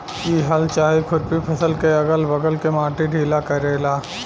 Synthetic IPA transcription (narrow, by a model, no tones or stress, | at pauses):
kiɦɐlt͡ʃaːɦikʰʊʈ̚pipʰɐsəlkeɐɡəlbɐɡəlkemãːʈiɖʱiːlakɐɾeːlaː